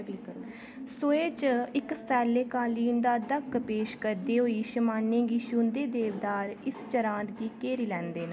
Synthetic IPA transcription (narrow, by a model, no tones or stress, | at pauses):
bɪk | soeːt͡ʃɪksɛːleːkaːliːnd̪aːd̪əkːpeːʃkəɾd̪iːɦoːiːʃəmaːnːẽːɡiːʃund̪eːd̪eːʋd̪aːɾɪst͡ʃəɾãːnt̪ɡiːkeːɾiːlɛ̃ːnd̪eːnə